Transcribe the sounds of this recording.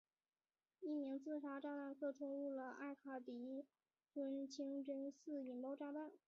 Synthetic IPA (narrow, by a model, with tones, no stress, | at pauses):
i˥˩mi˧˥ŋt͡sɹ̩˥˧ʂa˥ʈ͡ʂa˥˧t̪a˥˧nkʰɤ˥˩ʈ͡ʂʰʊ˥ŋlu˥˩lə˩a̰˥˩kʰa˨˩t̪i˧˥ | ʈ͡ʂə˥nt͡ɕʰi˥ŋʈ͡ʂə˥nsɹ̩˥˩i˨˩npo˥ʊʈ͡ʂa˥˧t̪a˥˩n